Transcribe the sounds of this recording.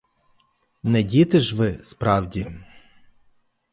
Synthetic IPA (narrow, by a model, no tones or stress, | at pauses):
nɛdʲit̪ɪʒʋɪspɾɑwdʲi